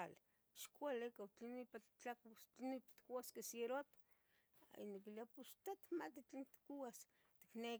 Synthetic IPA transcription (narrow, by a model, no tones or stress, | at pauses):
al | ʃkʷalekat͡ɬinipatt͡ɬakst͡ɬinipat̪kuwaskesjeɾot̪ | ḭnokilapust̪at̪mat̪it͡ɬint̪kuwas | t̪i̥kne